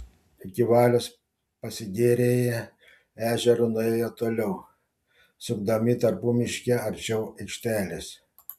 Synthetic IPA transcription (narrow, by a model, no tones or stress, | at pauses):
ɪkʲɪʋɑːlʲoːs | pɐsʲɪɡʲeːɾʲeːjɛ | æːʒʲɛɾʊnʊɛjot̪oːlʲɛʊ | sʲʊɡd̪ɐmʲɪt̪ɐɾpuːmʲɪʃʲkʲɛɐɾʲt͡ʃʲɛʊɛɪkʃʲt̪ʲæːlʲes